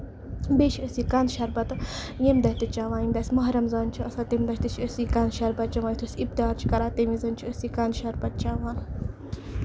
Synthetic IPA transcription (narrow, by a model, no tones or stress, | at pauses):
beːt͡ʃʰiɐsikanʃɐɾbɐt̪ɨ | jemd̪ɐst̪it͡ʃaːʋaːnind̪ɐsʲmɐɦɾɐmzɐːnt͡ʃʰiɐsat̪emd̪ɐʃt̪it͡ʃʰəsikɐnʃɐɾbɐt̪̚t͡ʃɐʋaːnjt̪ʰəsibt̪iaːɾt͡ʃʰi̥kɐɾaːt̪emizɐnt͡ʃʰiɐsikaːnʃɐɾbɐt̪̚t͡ʃaːʋaːn